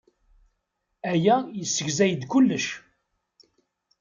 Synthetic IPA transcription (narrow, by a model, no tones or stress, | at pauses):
æjæjəsːəʝzæjəd̪kʊlːəʃ